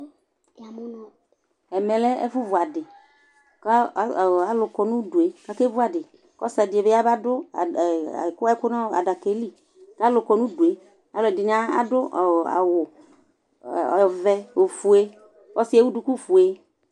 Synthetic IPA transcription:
n˨ | ɛ˨mɛ˨lɛ˦ḛ˦fu˦vʊ˨a˨dɪ˨ | ka˦˨a˨lʊ˨kɔ˨nũ˦du˨e˨ka˦ke˦vu˦a˨dɪ˨ | kɔ˦sa˨dɪ˨e˨be˦a˦ba˦dʊ̰˦˨kʊ˦a˦ɛ˦kʊ˦nã˦a̰˨da˨ke˨˦li˦ | ka˦lʊ˨kɔ˨nũ˦du˨e˦ | a˨lʊ˨ɛ˨dɪ˨n˦a˦a̰˨dʊ˦˨a̰˨w | vɛ˦o˨fu˨e˦ | wɔ˦si˦e˦wu˦du˦ku˦fu˨e˦

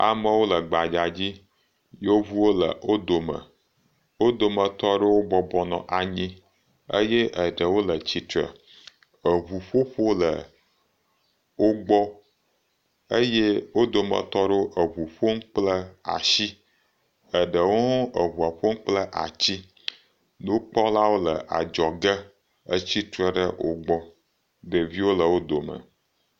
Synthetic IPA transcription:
a̰˨mə˦wo˦lə˨ɡ͡ba˨d͡ʒa˨d͡ʑi˦ | jo˦βu˦wo˦lə̰˨o˦d̪o˨mə̰˨ | wo˦d̪o˨mə̃˨t̪ɔ˦ɖe˦wo˦ɡ͡bɔ˦bɔ˦nɔ̰̃˨ʔa˨ɲĩ˦ | ə̰˦je˦ʔə˨ɖə˨wo˦lə˨t͡ɕi˨t̪ɾə̰˨ | ə˨βu˨ɸo˦ɸo˦lə˨ | wo˦ɡ͡bɔ˦ | ə˦je˦wo˦d̪o˨mə̰̃˨t̪ɔ˦ɖo˦ʔə˨βu˨ɸo˦m̩˦k͡plə˦a̰˨ʃi˦ | ə˨ɖə˨wo˦ə˨βu˨a˨ɸo˦m̩˦k͡plə˦ʔa̰˨t͡ɕi˦ | no˦k͡pɔ˦la˦wo˦lə˨ʔa̰˨d͡ʒɔ˨ɡə˦ | ə˦t͡ɕi˦t̪ɾə˦ɖə˦wʔo̰˦ɡ͡bɔ˦ | ɖə˨vi˦wo˦lə˨wo˦d̪o˨mə̰̃˨

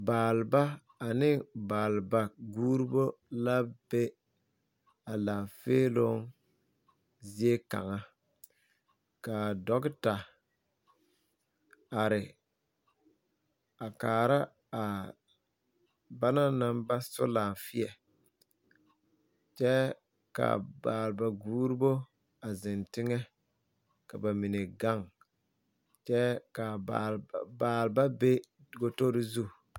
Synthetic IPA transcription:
baː˨lba˦ | a˨nɪ˦baː˨lba˨ɡuː˦ɾi˦bo˦la˦be˦ | a˨la˨feː˦lo˦ŋ | zi˦e˦ka̰˨ŋa˦ | ka˨dɔ˦ɡɪ˦ta˨ | a˨ɾɪ˨ | a˨kaː˨ɾa˦ | a˨ | ba˦na˦na˦mba˦sʊ̰˦laː˨fɪ˦ɛ˨ | t͡ʃɛ˦ | ka̰˨baː˨lba˨ɡuː˦ɾi˦bo˦ | a˨zɪ˨ntɪ˦ŋɛ˦ | ka˨ba˨mi˨ne˨ɡa˦˨ŋ | t͡ʃɛ˦ka˨a˨baː˨lba˦be˦˨ | ɡo˦to˦ɾi˦zu˦˨

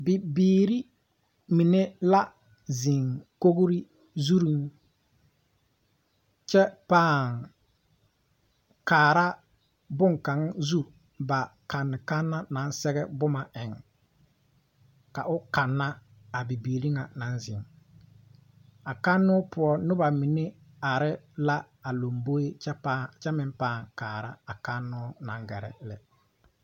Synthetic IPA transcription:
bɪ˨biː˨ɾi˦ | mi˨ne˦la˦ | zɪ˨ŋko˦ɡɾi˦ | zu˦ɾu˦ŋ | t͡ʃɛ˦paː˦˨ŋ | kaː˨ɾa˦ | bʊ˦ŋka˨˦ŋzu˦ | ba˨ka˨nːɪ˨ka˦nːa˦na˨˦nsɛ˦ɡɛ˦bʊ˦ma˨ʔɛ˨ŋ | ka˨ʔʊ˦ka˨nːa˦ | a˨bi˨biː˨li˦ŋa˨na˨˦nzɪ˨ŋ | a˨ka˦nːʊ˦pʊ˦ɔ˦nʊ˦ba˨mɪ˨nɪ˦ | a˨ɾɪ˦la˦ | a˨lo˨mbo˦e˦ɛ˦pa˦t͡ʃɛ˦mɪ˨mpaː˦˨ŋkaː˨ɾa˦a˨ka˦nːʊː˦na˨ŋɡɛ˨ɾɛ̰˨lɪ̰˨

